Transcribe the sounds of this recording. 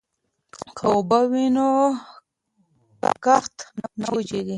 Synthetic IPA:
kʰaobawino | pa̰kaxt̪nanawd͡ʒed̪i

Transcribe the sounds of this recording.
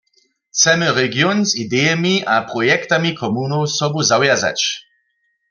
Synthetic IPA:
t͡sɛmɛʁɛɡjɔnzid̪ɛjɛmiapʁɔjɛkt̪amikʰɔmunowsɔbuzawjaza̰t͡ʃ

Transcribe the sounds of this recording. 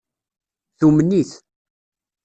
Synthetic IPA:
θumənːiθ

